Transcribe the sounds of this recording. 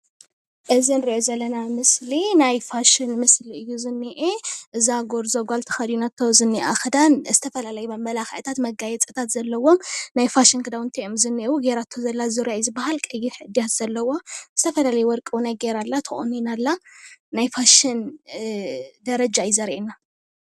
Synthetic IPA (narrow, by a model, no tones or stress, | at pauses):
ʔɨzinɨɾiʔozɐlːɐnamɨslinajfaʃɪnmɨsliɨjːuzɨnːiʔeʔɨzaɡo̞ɾzoɡʷalt̪ʰɨ̥xɐd̪junat̪ʰːowzɨnːiʔaxɐd̪anzɨt̪ʰɐfɐlalɐjubɐmbɐlaxaʔt̪ʰat̪mɐɡajɛt͡sʼɨt̪ʰat̪zɐlːɐwo̞mnajfaʃɪnkʰɨd̪awɨnt̪ʰɐjomzɨnːiʔwuɡeɾat̪ʰːozɐlːazɨɾjajzɨbahalkʼɨjiħɨd̪ijat̪z̥ɐlːɐwo̞zɨt̪ʰɐfɐlalɐjuwɔɾkʼɨwnajɡeɾalːat̪ʰɨχʼo̰nːinalːanajfaʃɪn | d̪ɐɾɐd͡ʒajɪzɐɾʔena